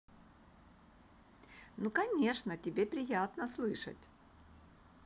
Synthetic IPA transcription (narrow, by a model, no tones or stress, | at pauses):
nukɐnʲe̞ʂnətʲɪbʲepɾʲɪjat̪nəslˠɨʂə̰tʲ